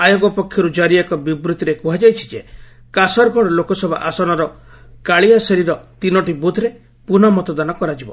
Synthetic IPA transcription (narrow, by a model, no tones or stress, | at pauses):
ajoɡɔpɔkʰːjɔɾud͡ʒaɾiakɔbibɾut̪iɾekuɦad͡ʒajt͡ʃʰi̥d͡ʒe | kasɔɾkɔɽɔlokɔsɔbʱa̰ʔasɔnɔɾɔ | kaɭiasɔɾiɾɔt̪inɔʈibud̪ʱɾe | punɔmɔt̪ɔd̪anakɔɾad͡ʒibɔ̰